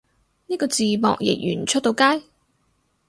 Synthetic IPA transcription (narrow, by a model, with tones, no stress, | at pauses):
niː˥kɔː˧t͡siː˨mɔ̰ː˨k̚jɪ̰˨˩k̚jy̰ː˨˩nt͡ʃʰɵ˥t̚t̪o˨˧wkaː˥j